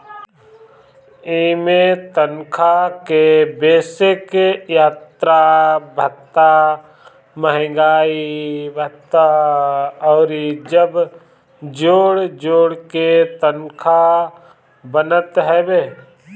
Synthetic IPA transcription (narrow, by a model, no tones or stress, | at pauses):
eːmet̪ənkʰakebeːsɪkjaːt̪ɾabʱət̪ːa | məɦɪ̃ɡaːibʱət̪ːa | ɔːɾid͡ʒəb | d͡ʒoːɽd͡ʒoːɽket̪ənkʰa | bənət̪ɦɛbeː